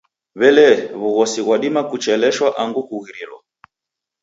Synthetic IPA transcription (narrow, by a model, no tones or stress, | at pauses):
βɛlɛβuɣɔsiɣwaɗimakut͡ʃɛlɛʃwaʔaŋɡukuɣiɾilwɔ̰